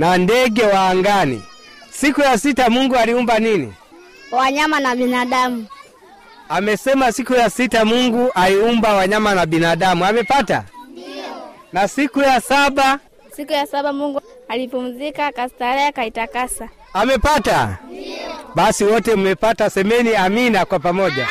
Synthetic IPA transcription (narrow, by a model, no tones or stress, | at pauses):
nandɛɡɛwaːŋɡanḭ | sikujasitamuŋɡualiumbaninḭ | waɲamanaɓinaɗamu | amɛsɛmasikujasitamuŋɡuʔaliumbawaɲamanabinaɗamuamɛpata̰ | nasikujasaɓa | sikujasaɓamuŋɡualipum̩zikakastaɾɛakaitakasa | amɛpata̰ | ɓasiwɔtɛumɛpatasɛmɛniaminakwapamɔʄa